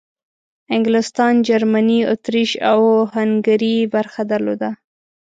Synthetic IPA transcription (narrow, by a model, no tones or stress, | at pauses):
ɪŋɡlɪst̪ɑnd͡ʒaɾmaniʊ̰t̪ɾiʃawhaŋɡaɾibaɾxad̪aɾlod̪a